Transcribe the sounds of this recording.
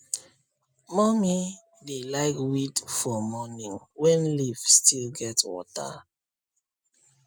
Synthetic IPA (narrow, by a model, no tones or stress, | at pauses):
mɔmi | delaɪkwitfɔmɔnĩŋ | wɛ̃nlifstʰilɡɛtwɔ̰ta̰